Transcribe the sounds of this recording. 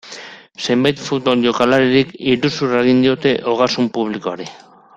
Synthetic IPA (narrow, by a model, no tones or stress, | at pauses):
sembajt̪fut̪̚βo̞lʝo̞kalaɾiɾikiɾusureɣ̞ind̪io̞t̪e̞ʔo̞ɣ̞asumpuβ̞likoaɾi